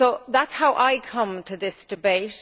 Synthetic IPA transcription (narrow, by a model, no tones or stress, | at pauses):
oʊðatshaʊʔaɪkʰʌ̃mtʰəðɪsd̥ɪbeɪt